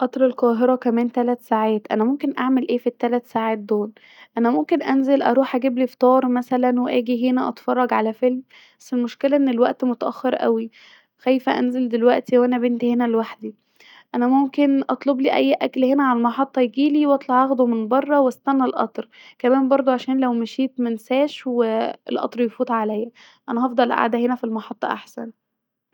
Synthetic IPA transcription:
ʔɑt̪ˤɾˤelqɑːɦeɾɑkæmæːnt̪ælæt̪saːʕæːt̪ʔæ̰næmomkenʔa̰ʕmelʔeːfit̪ːælæt̪saːʕaːt̪̚d̪oːl | ʔænæmomkenʔænzelʔɑ̰ɾuːħʔæɡiblift̪ˤɑːɾˤmæsælænweʔæːɡiɦenæʔɑt̪fɑrˤːɑɡʕalæfelm | bæsːelmoʃkelæʔenːelwæʔt̪mot̪æʔæ̰xːeɾʔæ̰wi | xæjfæʔænzeld̪elwæʔt̪iwʔænæbent̪ihenælwaħd̪i | ʔænæmomkenʔɑt̪ˤlobliːʔæjːʔæklhenæʕalælmɑħɑt̪ˤːɑjeɡiːliːwʔɑt̪ˤlɑʕʕɑɣd̪omenbɑrˤːɑwest̪ænːælʔɑ̰t̪ˤɾkæmæːmbɑɾˤd̪ˤoʕaʃæːnlæwmæʃiːt̪mænsæːʃweelʔɑ̰t̪ˤɾˤjfuːt̪ˤʕalæjæ | ʔænæhɑfd̪ˤɑlʔa̰ʕd̪æɦenæfilmɑħɑt̪ˤːɑ̰ʔa̰ħsæ̰n

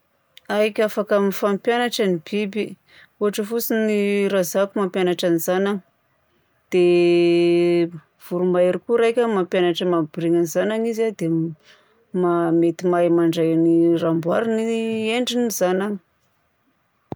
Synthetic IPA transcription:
ajkʲafakamifampjanaʈ͡ʂanib̥ibi | uɦaʈ͡ʂəfut͡siniɾazakumampjanaʈ͡ʂanizanaŋ | d̪̥e | v̥uɾumaɾikuɾajkʲəmampjanaʈ͡ʂəmabiɾiŋanizanaŋizad̪e | mamet̪imajmaɳɖ͡ʐajanirambwaɾinieɳɖ͡ʐinizanaŋi̥

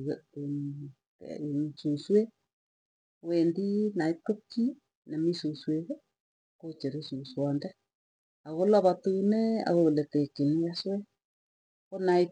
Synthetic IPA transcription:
isuswe | wendinaitokːi | nɛmisusweɣ | kot͡ʃeɾesuswɔndɛ | aɣolaβat̪unɛa̰ɣolɛtekenijaswɛ | konai

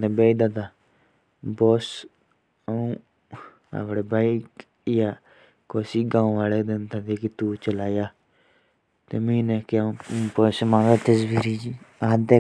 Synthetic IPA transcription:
d̪eːbeːid̪aːd̪aː | boːs | əũː | a̰pɽeːbaːik | ɪjaː | koːsiːɡãːũʋaːleːd̪ɪnt̪aːt̪iːkit̪uːt͡ʃəlaːjaː | t̪eːmĩːnekɪãpoːsmãːd̪aːt̪əswiːɾiːd͡ʒiaːd̪eː

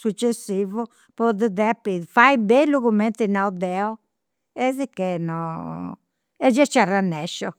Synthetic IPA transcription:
sut͡ʃːesːiːvu | pɔd̪ɛðɛpːifajbelːuɣumːɛnt̪inawd̪ɛɔ | ɛzikɛnɔ | ɛd͡ʒɛt͡ʃːaranːɛʃːɔ

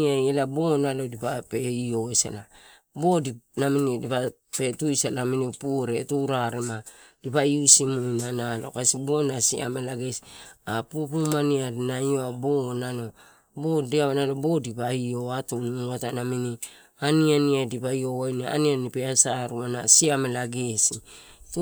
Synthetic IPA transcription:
ajelabonalo̞dipapeioesa̰la | bo̞dinaminidipa | pe̞tujsalaminipuɾetuɾaɾemadipaiusimujnanalo̞̰kasibonasḭa̰melaɡesapupumaniadnajoabonano̞ | bodiaβanalobo̞dipaio̞atunuatanamini | anianiadipaio̞wajnia̰nianipeasaɾuanasiamelaɡe̞sit

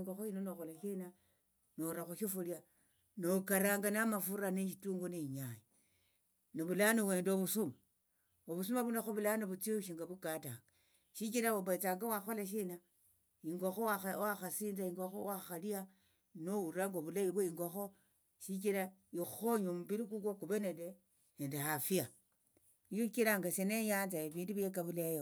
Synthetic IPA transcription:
ŋɡoxoinonoxolaʃina | noɾaxoʃifulia | nokaɾaːŋɡanamafuɾaneʃ̬ituːŋɡoneɲaɲi | noβulanowe̞ːndoβusuma | oβusumaβunaxoβulanoβut͡sioʃiŋɡaβukata̰ːŋɡ̥a | ʃikiɾaoβat͡saːŋɡawaxolaʃ̬ina | iŋɡoxowawaxasiːnd͡zaiŋɡoxowaxalia | nouɾaŋɡoβulaβiβweiŋɡoxo | ʃikiɾaixuxoɲomuβiɾik̬ukokuβenende | neːndehafia | ukiɾaŋɡaseneɲaːnt͡saeβiːnduβiekaβulejo

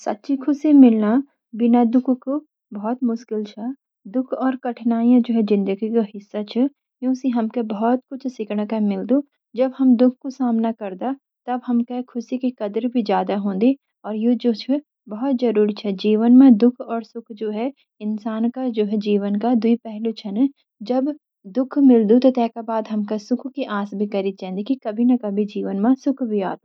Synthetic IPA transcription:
sɐ̰t̪ːʃʰikʰʊsemɪlna | bɪnad̪ʊkʰko | bɔɦt̪mʊʃkɪlt͡ʃʰɛ | d̪ʊkʰɔːɾkɐʈʰnaːiãd͡ʒoːɦɛd͡ʒɪ̃nd̪əɡikaɦɪsːat͡ʃʰɛ | jõːsiɦɐmkebɐɦɔt̪̚kʊt͡ʃʰsɪkɽ̃əkamɪld̪o | d͡ʒɐbɦɐmd̪ʊkʰkosaːmnakɐɾd̪a | t̪ɐbɦɐmkakʰʊsikikɐd̪əɾbʱid͡ʒjaːd̪aɦõːnd̪i | ɔːɾjed͡ʒoːt͡ʃʰɛ | bɐɦɔt̪zɐɾuːɾit͡ʃʰɛd͡ʒiːʋənmẽd̪ʊkʰɔːɾsʊkʰd͡ʒoːɦɛ | ɪnsaːnkad͡ʒoːɦɛd͡ʒiːʋənkad̪ʊipɛɦlot͡ʃʰɐnɛ | d͡ʒɐb | d̪ʊkʰmɪld̪ut̪ot̪ɛːkabaːd̪ɦɐmkasʊkʰkiʔaːsbʱikɐɾit̪̚t͡ʃɛ̃ːnd̪ikikɐbʱinɐkɐbʱid͡ʒiːʋənmãsʊkʰbʱiaːt̪o

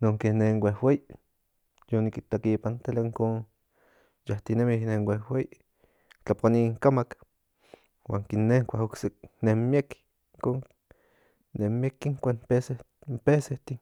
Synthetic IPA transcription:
noŋkeneŋwʷehwej | jonikit̪ekipant̪elaiŋkon | jaht̪inemihneŋwehwej | t͡ɬapʷaniŋkamak | wa̰ːŋkinːeŋkʷahoksenemjek | ŋkoŋ | nehmiekiŋkʷanpese | mpeseht̪i

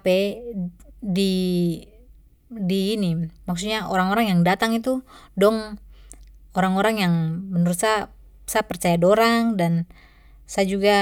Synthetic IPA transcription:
pɛ | di | diːnimaksuɲaoɾaŋoɾaŋjaŋdat̪aŋit̪udɔŋ | oɾaŋoɾaŋjaŋbənəɾut̪sa | sapərt͡ʃajadoɾaŋdan | sad͡ʒuɡa

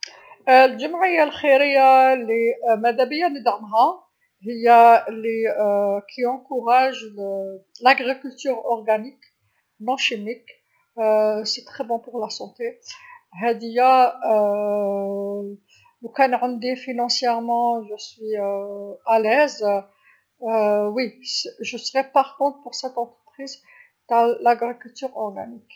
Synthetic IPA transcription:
lʒəmʕəjːalxiɾəjːalimæd̪æbəjːanəd̪əʁəmɦa | həjːalekʰiɑ̃kuʁaʒ | laɡʁikylt̪yʁɔʁɡanik | nɔ̃ʃimik | set̪χɛbɔ̃pʊʁlasɑ̃t̪eɦæd̪ija | ləkanʕə̃nd̪efinɑ̃sjɛʁmɑ̃ʒəsɥi | alɛz | wisʒəsəʁɛpaʁkɔ̃t̪puʁsɛt̪ɑ̃t̪χə̥pχiz | t̪alaɡʁikylt̪yʁɔʁɡa̰nik

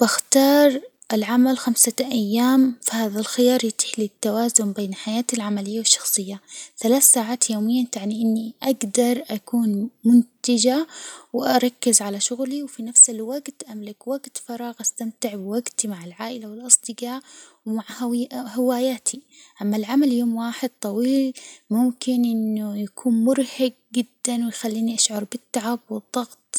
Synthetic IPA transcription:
b̥ɪxt̪ɑːɾˤ | ʔɪlʕamalxamsaʔajːaːmfihaːðalxɪjɑːɾˤjat̪ɪ̥ħlit̪ːawaːzʊmbeːnħajaːt̪ilʕamalɪjːawɪʃːɑ̥xsˤɨjːaθalaːθsaːʕaːt̪joːmɪjːat̪aʕniʔɪnːiʔaɡd̪ɑɾˤʔakuːnmʊnt̪ɪd͡ʒawɪʔɑɾˤɑkːɪzʕalaʃʊɣliwfinafsɪlwaɡt̪ʔamlɪkwaɡt̪fɑɾˤɑːɣʔast̪amt̪ɪʕbɪwaɡt̪imaʕɪlʕaːʔɪlawɪlʔɑsˤd̪ɨɡɑːʕwmaʕhɪwaːjaːt̪ʰi | ʔamːalʕamaljoːmwaːħɪd̪̚t̪ˤɑwiːlmʊmkɪnʔɪnːʊjakʰuːnmʊɾhɪɡ̚ɡɪd̪ːanwɪjxalːiːniʔaʃʕɑɾˤbɪt̪ːaʕabwɨd̪ˤːɑɣt̪ˤ

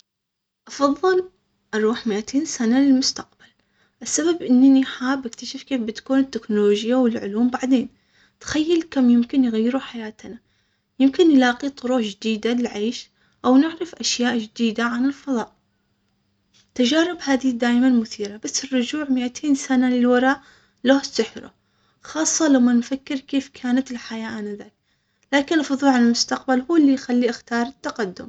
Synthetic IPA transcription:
ʔɑfɑðˤːɨl | ʔɑɾˤuːħmɪʔat̪ʰeːnsanalɪlmʊst̪aqb̥al | ʔɪsːababʔɪnːniħaːbːɪkt̪aʃɪfkeːfbɪt̪kuːnɪt̪ːɪknoloːʒɪjːawɪlʕʊ̰luːmbaʕd̪eːn | t̪xajːalkamjɪmkɪnjɣajːɪɾuħajaːt̪na | jɪmkɪnjlɑːqit̪ˤʊɾuːħd͡ʒɪd̪iːd̪alɪlʕeːʃ | ʔawnɪʕɾɪfʔaʃjaːʔd͡ʒd̪iːd̪aʕanɪlfɑðˤɑːʔ | t̪ad͡ʒaːɾɪbhaːðɪhid̪aːjmanmʊθiːɾabasːɪrːʊd͡ʒuːʕmɪʔat̪ʰeːnsanalɪlwɑɾˤɑːʔ | lohsɪħɾʊ̰ | xɑːsˤːɑlawmːanfakːɪɾkeːfkʰaːnat̪ɪlħajaːʔanaðaːk̚ | laːkɪnlfɑðˤuːʕanɪlmʊst̪aq̚balhuːlːixalːiʔaxt̪ɑːɾˤɪt̪ːaqad̪ːʊ̰m

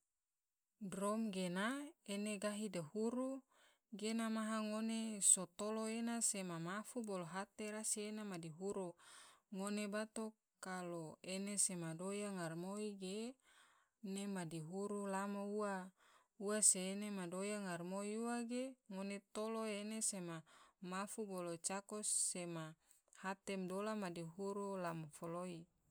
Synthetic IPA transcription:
dromɡenaeneɡaɦidehuɾu | ɡenamaɦaŋonesot̪oloenasemamafuboloɦat̪eɾasienamadiɦuɾuŋonebat̪o | kaloenesemadojaŋarmoiɡe | nemadiɦuɾulamoua | uaseːnemadojaŋarmoiuaɡeŋonet̪oloenesemamafubolot͡ʃakosema | hat̪emdolamadiɦuɾulamofoloi

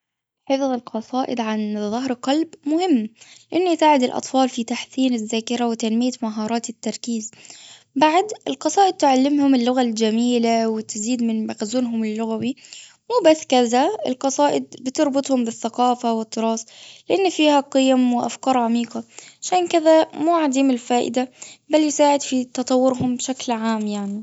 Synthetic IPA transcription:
ħefðˤɪlqɑsˤɑːʔɪd̪ʕanðːɑɦɾqɑlbmʊhɪmːlɪʔɪnːʔsaːʕɪd̪ɪlʔɑ̰t̪ˤfɑːlfit̪aħsiːnɪzːaːkɪɾawɪt̪anmɪjamaɦɑːɾˤɑːt̪ɪt̪ːɑɾˤkiːz | baʕd̪ɪlqɑsˤɑːʔɪd̪̚t̪ɪʕalːɪmhʊmɪlːʊɣald͡ʒamiːlawɪt̪ɪziːd̪mɪnmaɣzuːnɦʊmɪlːʊɣawi | muːbasːkaðaɪ̰lqɑsˤɑːʔɪd̪̚bɪt̪ɪɾˤbʊt̪ˤhʊmbɪθːaqɑːfawɪt̪ːɨɾˤɑːsˤlɪʔanːfiːhaqɨjamwɪʔa̰fkɑːɾˤʕamiːqɑʕaʃaːnkɪðamuːʕad̪iːmɪlfaːʔɪ̰d̪abaljɪsaːʕɪd̪fit̪ɑt̪ˤɑwːʊɾɦʊmbʃaklʕaːmjaʕni

